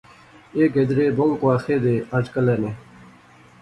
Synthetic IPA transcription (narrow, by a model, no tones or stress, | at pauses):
eːɡed̪ɾeːboŋkwaːxeːd̪eːad͡ʑkɐlene